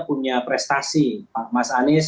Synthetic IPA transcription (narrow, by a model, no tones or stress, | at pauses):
puɲapɾɛst̪asipaʔmasanɪs